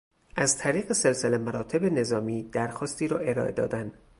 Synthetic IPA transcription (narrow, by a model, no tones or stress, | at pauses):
ʔæzt̪ʰæɾiːɣese̞lse̞lemæɾɒːt̪ʰe̞be̞ne̞zɒːmiːd̪æɾxɒːst̪iːɾɒːʔe̞ɾɒ̰ːʔe̞d̪ɒ̰ːd̪ænd